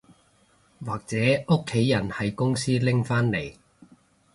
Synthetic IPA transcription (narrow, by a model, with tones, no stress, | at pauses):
waː˨k̚t͡sɛː˨˥ʊ˥kʰːe˨˥jːɐ˨˩nhɐ˨jkʊ˥ŋsiː˥lɪ˥ŋfaː˥nle˨˩j